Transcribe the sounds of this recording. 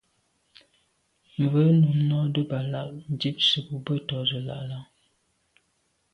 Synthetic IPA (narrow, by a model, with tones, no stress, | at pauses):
m˨və˨˦nu˨˦mnɔ˦də˦ba˨la˦˨ʔn̩˨di˦p̚sə˨bu˦bə˦tɔ˨˦zə˨la̰˨ʔla˦ŋ